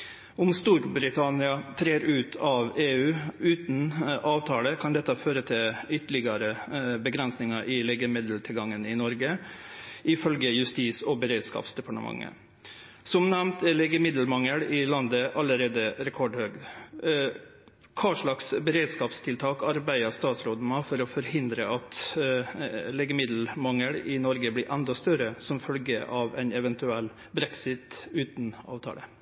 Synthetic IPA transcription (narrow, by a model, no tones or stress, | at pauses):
ʊmst̪uːɾbɾɪt̪ʰɑnɪɑt̪ʰɾeːɾʉːt̪ʰɑʋeːʉːʉːt̪n̩ʔɑːʋt̪ʰɑːləkʰɑnd̪ɛt̪ːəføːɾət̪ʰɪlʏt̪ːəɭɪɡɑɾəbəɡɾɛnsnɪŋɑʔɪleːɡəmɪd̪əl̩t̪ʰɪlɡɑŋːənɪnɔɾɡə | ʔɪfœlɡəjʉst̪iːsɔbəɾeːd̪skɑ̰ːpsd̪ɛpɑʈəmɑ̰ŋːə̰ | sɔmnɛʋnt̪lɛːɡəmɪd̪l̩mɑŋːəɽɪlɑnd̪əʔɑləɾeːd̪əɾɛkʰɔɖhøːɡ | kʰɑːʂɭɑksbəɾeːd̪skɑːpst̪ʰɪlt̪ʰɑːkɑɾbæɪəst̪ɑːt̪sɾoːd̪əmɑfɔɾɔfɔɾhɪnd̪ɾəʔɑt̪ | lɛɡəmɪd̪l̩mɑŋːəɽɪnɔɾɡəblɪːɾʔɛnd̪ɑst̪œɾəsɔmfœlɡəʔɑːʋæɪnɛʋɛnt̪ʉɛlː | bɾɛksɪt̪ʉːt̪nɑ̰ːʋt̪ʰɑ̰ːlə